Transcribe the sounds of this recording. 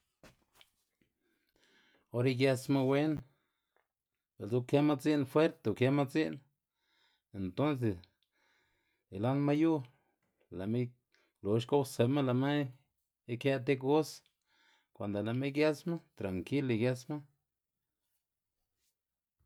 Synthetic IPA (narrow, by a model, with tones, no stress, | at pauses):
o˦ɾi˦ɡja˧sma˦we˦n | be˨lzu˧kja˦ma˦t͡si˦nfwe˦ɾt̪e˧u˨kja˦ma˦t͡si˦n | e˨nt̪o˦ns̬e˨s | i˨la˦nma˦ju˦ | la˨me˦ | lo˨ʃko˦wse˨ma˦la˨ma˦ | i˦kja˧t̪e˦ko˦s | kʷa˨nd̪o˨la˨me˦ɡja˦sma˦t̪ɾa˨ŋki˦li˧ɡja˧sma˦